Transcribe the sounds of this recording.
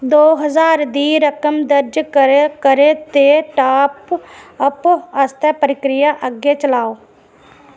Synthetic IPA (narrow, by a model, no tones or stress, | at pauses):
d̪oːɦəzaːɾd̪iːɾəkəmd̪əɾd͡ʒkkəɾet̪eʈaːpəpaːst̪ʰɛpəɾɪkɾɪjaʔəɡet͡ʃəlaːoː